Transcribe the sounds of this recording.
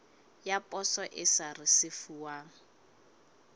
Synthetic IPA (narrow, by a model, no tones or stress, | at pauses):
japʼɔsɔʔɪsarɪsɪfuwaːŋ̩